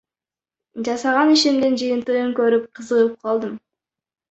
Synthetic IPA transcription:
d͡ʒɑsɑʁɑniʃemd̪ɪnd͡ʒɯjənt̪ɯəŋkʲɵɾɪp̚qʰəzəʁəp̚qʰɑlˠd̪əm

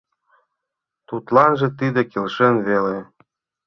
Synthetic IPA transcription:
t̪ut̪lɑnʒĕt̪id̪ekelʃĕnβele

